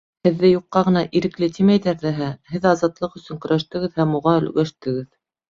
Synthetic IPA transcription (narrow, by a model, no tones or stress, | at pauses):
hɘ̆ðːɘjuqːɑʁɤ̆nɑʔiɾɘ̆klɘt̪ʰimæjðæɾðæɦæhɘðɑzɑt̪lˠɤqɵ̆sɵŋkɵ̆ɾæʃt̪ɘ̆ɡɘðhæmuʁɑɵ̆lɡæʃt̪ɘ̆ɡɘð